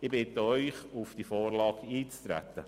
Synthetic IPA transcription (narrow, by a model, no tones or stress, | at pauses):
ɪbɪt̪əœʏχufd̥ifɔːrlɑːɡiːt͡st̪ɾæ̰t̪ːə